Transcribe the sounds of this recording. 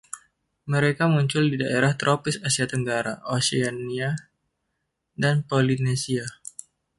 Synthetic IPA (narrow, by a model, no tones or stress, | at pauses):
məɾekamuɲt͡ʃʊldidaʔeɾaht̪ɾʔopɪsasiat̪əŋɡaɾaʔosiania | danpolinesia